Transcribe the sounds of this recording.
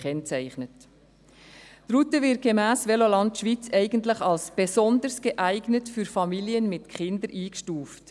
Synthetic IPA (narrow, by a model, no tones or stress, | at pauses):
kʰɛnt͡sæɪχnət | tɾutəvɪt̚ɡ̥emæːsʋɛlolɑntʃʋit͡sɛɪɡən̩tləχɑlsb̥esɔnd̪əɾsɡ̥əʔæɪɡnətfyɾfɑmiliənmɪtkʰχɪnd̪əɾʔiːkʃtuːft